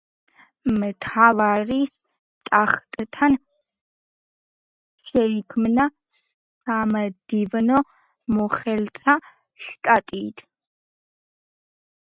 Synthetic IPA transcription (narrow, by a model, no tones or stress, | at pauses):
mɨtʰavaris | tʼaχtʼɨtʰɐn | ʃɛikʰmɨnɐ | s | samɐd̥ivɨno | moχɛltʰa | ɬtʼatʼiːtʰ